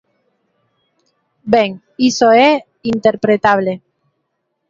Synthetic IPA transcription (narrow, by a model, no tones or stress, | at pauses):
beŋ | isoe | int̪eɾpɾet̪aβ̞le